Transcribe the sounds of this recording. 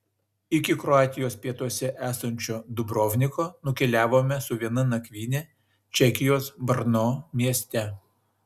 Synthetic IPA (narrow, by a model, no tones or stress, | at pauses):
ɪkʲɪkɾɔɑːt̪ʲɪjoːspʲiɛt̪uɔsʲɛʔæːsɐnʲt͡ʃʲoːd̪ʊbɾoːʋʲnʲɪkoːnʊkʲɛlʲæːʋoːmʲɛsʊʋʲiɛnɐnɐkʲʋʲiːnʲɛ | t͡ʃʲɛkʲɪjoːsbɐɾnoːmʲiɛsʲt̪ʲɛ